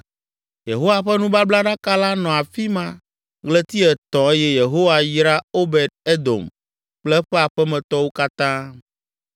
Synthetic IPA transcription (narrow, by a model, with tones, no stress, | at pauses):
je˨ɦo˦wa˨ɸɛ˦nũ˦ba˦bla˦ɖã˦ka˦la˦nɔ̃˨a˨fi˦mã˦ | ɡlɛ˦t̪i˦ɛ˨t̪ɔ̃˨e˦jɛ˦je˨ɦo˦wa˨jɾa˦o˦be˨d̪̚e˦d̪o̰˨m | k͡plɛ˦ɸɛ˦a˨ɸɛ˦mɛ̃˨t̪ɔ˦wo˦ka˦t̪ã˦